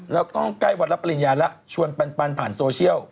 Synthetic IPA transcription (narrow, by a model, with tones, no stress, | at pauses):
lɛː˦˥wkɔː˥˩ka˥˩jwa˨˩t̚la˦˥pːa˧li˨˩njaː˧lɛ˦˥ʔt͡ɕʰu˧ənpa˧npa˧npʰaː˨˩˦nsoː˧t͡ɕʰi˥˩əw